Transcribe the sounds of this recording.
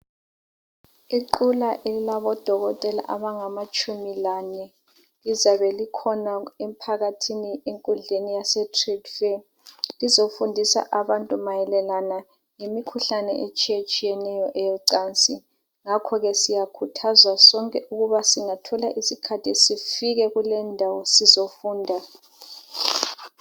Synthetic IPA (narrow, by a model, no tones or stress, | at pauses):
iǃulaʔelilaβɔd̥ʱɔɣɔtʼɛla̰ʔaβaŋamat͡ʃʼumilanɛ | lizaβɛlikʰɔnaem̩pʰaɣatʰinieŋkʼund͡ɮʱenijasɛtʰridfɛ | lizofundʱisa̰ʔaβantʼumajɛlɛlana | ŋemikʰuɬanɛ̰ʔet͡ʃʼijet͡ʃʼijɛnɛjɔʔɛjɛǀaːnt͡sʼi | ŋakʰɔɣɛsijakʰutʰazwasɔŋkʼɛʔuɣuβasiŋatʰɔlaʔisikʰatʰisifiɣɛɣulɛndʱawɔsizofuːndʱa